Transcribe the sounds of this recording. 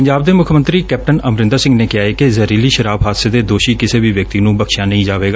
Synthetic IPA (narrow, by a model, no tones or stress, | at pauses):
əɲd͡ʒaːb̚d̪eːmʊkʰmə̃nt̪ɾiːkɛːp̚ʈənəmɾɪ̃nd̪asɪ̃ŋɡneːkɪaːekezəɾiːliːʃəɾaːbɦaːd̪seːd̪eːd̪oːʃiːkɪseːʋiːʋjək̚t̪iːnũːbəkʰʃjãːnəĩːd͡ʒaːʋeːɡaː